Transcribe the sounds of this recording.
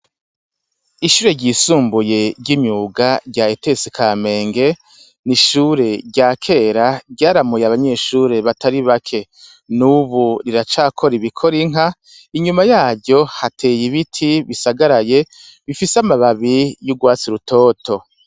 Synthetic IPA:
iʃuːɾe̞ɟiːsuːmbuje̞ɟɟimjuːɡaɟaetesikʰame̞ːŋɡe̞ | niʃuːɾe̞ɟakʰe̞ːɾaɡɟaːɾamujaβaɲe̞ːʃuɾe̞βatʰaɾiβakʰe̞ | nuβuɾiɾat͡ʃaːkʰo̞ɾiβikʰoɾiŋ̥ɦa | iɲumajaːɟo̞hatʰe̞ːjiβitʰiβisaɡaɾaje̞ | βifisamaβaβijuɡwaːt͡siɾutʰo̞ːtʰo̞

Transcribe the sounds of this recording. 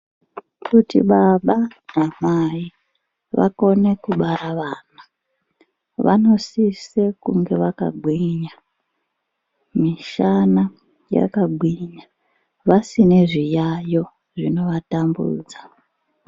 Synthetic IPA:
kutḭɓaɓanamai | ʋa̰ko̞ne̞kuɓaɾaʋaːna | ʋa̰no̞sise̞kuŋɡe̞ʋaka̰ɡʱwiɲa | miʃana | ja̰kaɡʱwiɲa | ʋasine̞ʐijajo̞ | ʐino̞ʋatambṵːd͡za

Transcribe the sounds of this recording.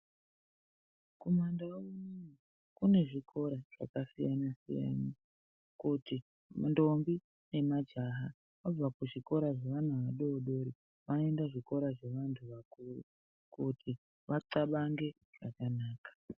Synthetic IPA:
ko̞mandauno | kune̞ʐikʰo̞ɾaʐ̥a̰kasijanasḭja̰ni | kuti | ndo̞mbi | ne̞mad͡ʒaɦa | ab͡vakuʐiko̞ɾaʐeʋan̤aʋaɗo̞ːɗo̞ɾi | ʋanoe̞ndaʐiko̞ɾaʐe̞ʋantʰuʋakurṵ | kutʰi | ʋat͡saɓaŋɡe̞ | ʐ̥akanaːkḁ

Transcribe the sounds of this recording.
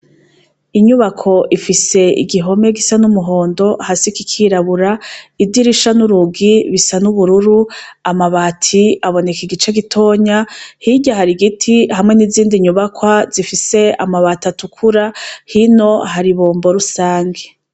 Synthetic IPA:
iɲuβakʰo̞ʔifise̞ḭɡiɦo̞me̞ɡisanumuɦo̞ːndo̞hasikikʰiɾaβuɾaidiɾiʃanuɾuɡiβisanuβuɾuɾuamaβatʰiaβo̞ne̞kiɡit͡ʃeɡitʰo̞ːɲahiɟaɦaɾiɡitʰihamŋe̞niziːndiɲuβakwazifise̞a̰maβatatukʰuɾahino̞ɦaɾiβoːmbo̞ɾusaːŋɡe

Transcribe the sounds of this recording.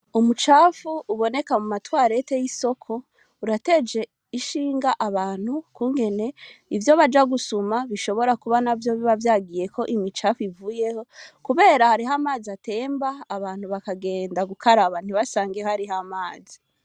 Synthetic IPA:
umut͡ʃaːfuːβo̞ne̞kamumatwaːɾe̞tejiso̞kʰo̞ | uɾate̞d͡ʒe̞ | iʃiːŋɡaʔaβaːn̥hukuːŋɡe̞ne̞ivjo̞βad͡ʒaɡusumaβiʃo̞βo̞ɾakuβanavjo̞βiβavjaːɡije̞kʰo̞ʔimit͡ʃaːfivuːje̞ho̞kuβe̞ːɾahaɾiɦamaːziate̞ːmbaːβaːn̥huβakaɡe̞ːndaɡukʰaɾaβan̥iβasaːŋɡehaɾihamaːzi

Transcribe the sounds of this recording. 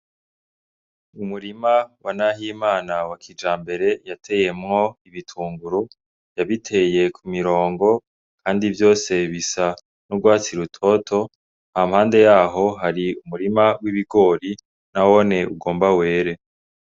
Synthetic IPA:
umuɾimawanaɦiːmaːnawakʰid͡ʒaːmbe̞ɾe̞jatʰe̞je̞mŋo̞iβitʰuːŋɡuɾu | jaβitʰe̞je̞kʰumiɾo̞ːŋɡo̞ | kʰaːndivjo̞ːse̞βisa | nuɡwaːt͡siɾutʰo̞tʰo̞ | nhamhaːnde̞jaːɦo̞ɦaɾiumuɾimawiβiɡo̞ɾi | nawone̞uɡo̞ːmbawe̞ːɾe̞

